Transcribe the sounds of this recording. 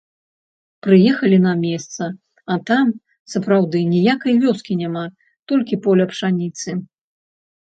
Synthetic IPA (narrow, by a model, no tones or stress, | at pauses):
pɾɨjɛxɐlʲinɐmʲɛst̪sɐ | ɐt̪am | sɐpɾawd̪ɨnʲijakɐjvʲɔskʲinʲama | t̪ɔlʲkʲipɔlʲɐpʂanʲit̪sɨ